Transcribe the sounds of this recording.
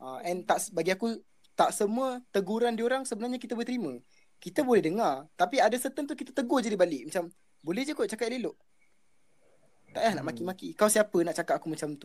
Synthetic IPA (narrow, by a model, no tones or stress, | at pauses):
ʔaɛnt̪aʔsbaɡiaku | t̪aʔsəmuət̪əɡuɾandioɾaŋsəbənarɲakit̪abolɛht̪əɾimə̃ | kit̪əbolɛhdəŋart̪apiadasət̪ənt̪ukit̪at̪əɡod͡ʒadibalɪʔ̚mat͡ʃam | bolɛɦd͡ʒəkut͡ʃakat̪̚leloʔ | t̪a̰ʔlahna̰ʔmakimakikawsiapənaʔt͡ʃakat̪̚akumat͡ʃamt̪u